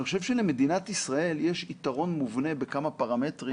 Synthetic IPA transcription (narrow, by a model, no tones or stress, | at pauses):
iχoʃe̞vʃeleme̞d̪inat̪isʁae̞ljeʃit̪aʁo̞nmuvne̞be̞kamapaʁame̞tʁi